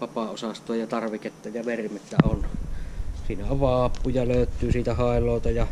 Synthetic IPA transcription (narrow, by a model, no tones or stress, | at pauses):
ʋɑpɑosɑst̪ˑoːjjɑt̪ɑrʋiket̪ːæjɑʋermet̪ːæon | siːnæoʋʋɑːpːujɑløˑøt̪ːˑyːsiːt̪æhɑˑelˑoˑːt̪ɑjɑ